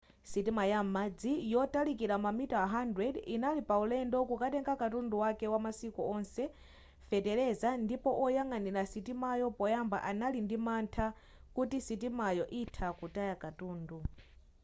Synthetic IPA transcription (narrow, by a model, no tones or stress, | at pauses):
sitimajamad͡zijɔtalikiɾamamitaɦandɾɛdinalipaulɛndɔkukatɛŋɡakatunduwakɛwamasikuɔnsɛ | fɛtɛɾɛzandipɔʔɔjaŋaniɾasitimajɔpɔjamba̰ʔanalindimantʰa | kutisit̬imajɔʔitʰakutajakatuːndu